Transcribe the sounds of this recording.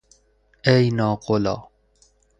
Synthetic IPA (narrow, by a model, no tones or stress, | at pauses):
ejnɑːqolɑ̰ː